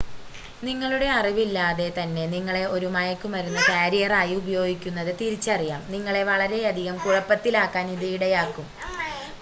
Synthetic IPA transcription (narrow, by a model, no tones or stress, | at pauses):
niŋːɐɭuɽe̞ɐriʋilːaːðe̞t̪ɐnːe̞niŋːɐɭe̞o̞ɾumɐjɐkːumɐɾunːɐkaːɾijɐraːjiubɐjo̞ːɡikʲːunːɐðɨt̪iɾit͡ɕːɐrijaːmniŋːɐɭe̞ʋɐɭɐɾe̞ɐd̪ʱiɣɐmkuɻɐpːɐt̪ːilaːkːaːniðɐjuɽejaːkːum